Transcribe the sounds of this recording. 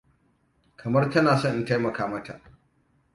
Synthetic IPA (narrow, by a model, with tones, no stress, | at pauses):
kʰɐ˨mɐ˦rtɐ˦naː˨sɔ˦˨ŋʔɪ˨nta˦jmɐ˨kaː˦mɐ˦ta̰˨ʔ